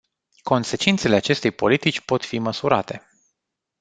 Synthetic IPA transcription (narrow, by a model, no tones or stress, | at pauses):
ko̞nse̞t͡ʃint̪se̞le̞at͡ʃe̞st̪e̞jpo̞lit̪it͡ʃʲpo̞t̪fiməsuɾat̪e̞